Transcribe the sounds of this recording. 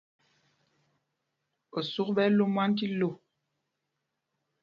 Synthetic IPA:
o˨su˦kbɛ˦lo˦mwa˦n˦ti˦lo˦˨

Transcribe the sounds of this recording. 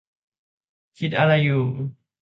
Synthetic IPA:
kʰi˦t̪̚a˧la˧juː˨

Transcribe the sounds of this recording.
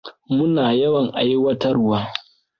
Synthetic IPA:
mʊ˦naː˨jɐ˦wɐ˨ŋʔa˨ji˦wɐ˦tɐ˦rwaː˦

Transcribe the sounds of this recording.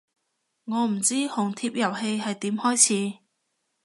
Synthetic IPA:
ŋɔː˨˧m̩˨˩t͡siː˥hʊ˨˩ŋt̪ʰiː˧p̚jɐ˨˩wɦe˧jhɐ˨jt̪iː˨˥mhɔː˥jt͡sʰiː˨˥

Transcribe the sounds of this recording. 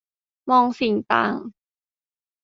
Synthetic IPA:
mɔː˧ŋsi˨˩˦ŋt̪a̰ː˧˩ŋ

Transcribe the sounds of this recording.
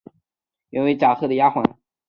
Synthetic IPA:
jɛ˧˩nwe˧˥ɪʈ͡ʂa˨˩xɤ˥˩d̪ə˩ja˥xwɑ˧˥ŋ

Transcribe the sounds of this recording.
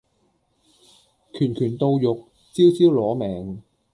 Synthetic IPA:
kʰyː˨˩nkʰyː˨˩nt̪o˧wjʊ˨k̚ | t͡siː˥wt͡siː˥wlɔː˨˥mɛː˨ŋ

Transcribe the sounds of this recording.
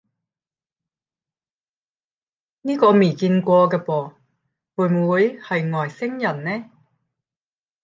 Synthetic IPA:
niː˥kɔː˧miː˨˩kiː˧nkʷɔː˧kɛː˧pɔː˨˧ | wuː˨˩mwuː˨˧jhɐ˨jŋɔː˨˩jsɪ˥ŋjɐ˨˩nnɛː˥

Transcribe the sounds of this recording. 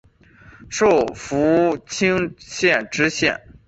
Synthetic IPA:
ʂo˥˩ʊfu˧˥t͡ɕʰi˥ŋɕjɛ˥˧˩nʈ͡ʂɻ̩˥ɕjɛ̰˥˩n

